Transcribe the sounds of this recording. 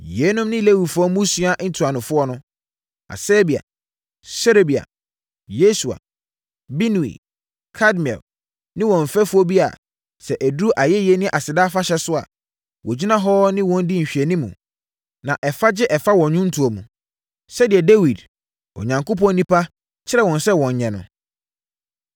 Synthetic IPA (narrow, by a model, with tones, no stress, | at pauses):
jɛ˨˦nʊ̃˦mnɪ̃˦le˦wi˨dfʊ˨ɔ˦mũ˦su˦a˦ʔn̩˦tʰu˨a˨nʊ̃˨fʊ˦ɔ˦nʊ̃˦ | a̰˨sɛː˦bi˨a̰˨ | sɛ˦ɾe˨bi˨a̰˨ | je˦su˨a̰˨ | bi˦nũ˨ḭ˨ | kʰa˦dmi˨ɛ̰˨l | nɪ̃˦wɔ̃˨ɱ̩˨fɛ˦fʊ˦ɔ˦bi˦a̰˨ | sɛ˨ʔæ˨du˦ʔa˨jɛ˦jɛ˦nɪ̃˦ʔa˨sɪ˨daː˦fa˦ɕɛ˦sʊ˦a̰˨ | wɔ˨d͡ʑi˦nã˦ɦɔ˦nɪ̃˦wɔ̃˨n̩˦dɪ˦ɲ̩˨ɕᶣɛ˨nĩ˦mṵ̃˨ | nã˨ʔɛ˨fa˦d͡ʑɪ˦ʔɛ˨fa˦wɔ̃˨nɲʊ̃˦n̩˦tʰu˨o˨mũ˨ | sɛ˦dɪ˨ɛ˨de˦wi˨d | ɔ̰˨ɲã˨ŋko˦p̬ɔ̃˦nnĩ˦pʰa˦ | t͡ɕʰɪ˦ɾɛ˦˨wɔ̃˨nsɛ˦wɔ̃˨ɲ˨ɲɛ̃˨nʊ̰̃˨